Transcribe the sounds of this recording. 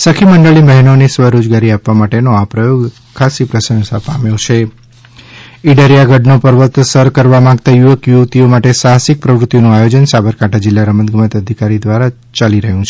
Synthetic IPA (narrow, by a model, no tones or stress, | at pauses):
səkʰiməɳɖəɭiməɦinonisʋəɾod͡ʒɡaɾiapʋamaʈenoapɾəjoɡ | kʰːasipɾəsə̃msapamjõt͡ʃʰe | iɖaɾijaɡʱəɖnopəɾʋət̪ːsəɾkəɾʋamãɡt̪ajuʋəkjuʋt̪iomaʈesaɦsik̚pɾəʋɾut̪ːijonũajod͡ʒənsabəɾkaʈʰad͡ʒɪlːaɾəmənɡmət̪əd̪ʱikaɾid̪ʋaɾa | t͡ʃaliɾəɦjũt͡ʃʰe